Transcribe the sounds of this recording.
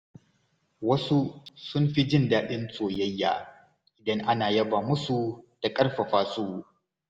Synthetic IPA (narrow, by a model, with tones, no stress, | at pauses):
wɐ˦su˦sʊ˦mɸi˦d͡ʒɪ˦ndaː˦ɗɪ˦nsʼoː˨jɐ˦jːa̰ː˨ | ʔɪ˨dɐ˦ŋʔa˦naː˨jɐ˦baː˨mʊ˦su˨d̥a˨kʼɐ˦rɸa˨ɸaː˦suː˦